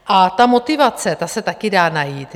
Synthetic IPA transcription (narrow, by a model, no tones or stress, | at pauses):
ʔat̪amo̞t̪ɪvat͡sɛt̪asɛt̪akɪdaːnajiːt̪